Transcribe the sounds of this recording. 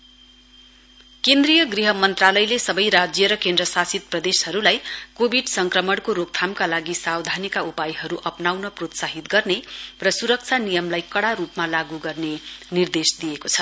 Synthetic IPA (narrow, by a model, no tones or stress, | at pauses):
kend̪rijʌɡriɦʌmʌnt̪ralʌjlesʌbʌjɾad͡zjʌɾʌkend̪rʌsasit̪̚prʌd̪eshʌɾulajkobʱiɖsʌŋkrʌmʌɽkoɾok̚t̪ʰamkalaɡisawd̪ʱanikaupajɦʌɾuʔʌpnawnʌprot̪saɦit̪ɡʌrnerʌsuɾʌk̚t͡sʰanijʌmlajkʌɽaɾupmalaɡuɡʌrnenird̪esd̪ijekot͡sʰʌ̥